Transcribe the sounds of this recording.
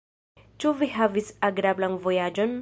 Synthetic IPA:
t͡ʃuviɦavisaɡɾablanvojad͡ʒon

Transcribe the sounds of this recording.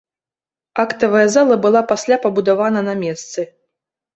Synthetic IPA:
akt̪ɐvɐjɐzalˠɐbɨlˠapasʲlʲapɐbud̪avanɐnamʲɛst̪sɨ

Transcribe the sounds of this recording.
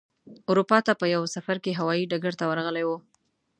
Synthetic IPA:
ʊɾupɑt̪apəjawsafaɾkeɦawɑjiɖaɡaɾt̪awəɾɣəlajwu

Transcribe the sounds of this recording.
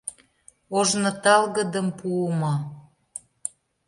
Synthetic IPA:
oʒnɤ̆t̪ɑlɣə̆d̪ə̆mpuəmɑ

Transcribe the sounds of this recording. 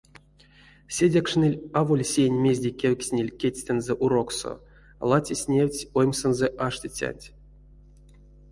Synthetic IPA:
sʲedʲakʂnɨilʲavolʲsʲejnʲmʲe̞zʲdʲekʲewʲksʲnʲelʲkʲetʲsʲt̪enzɛʔuɾo̞kso̰ | lˠat͡sʲisʲnʲewʲt͡sʲojmsenzɛʔaʂt̪ʲit͡sʲa̰nʲtʲ

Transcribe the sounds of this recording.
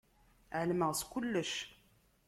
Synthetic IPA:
ʕəlməʁskʊlːəʃ

